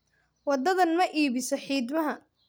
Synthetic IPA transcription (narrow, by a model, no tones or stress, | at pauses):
wɑd̪ɐðɐnmɐʔiːβɪsɔħiːd̪mɐɦɐ